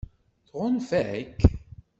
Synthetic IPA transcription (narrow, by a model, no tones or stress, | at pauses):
θʁʊnfækː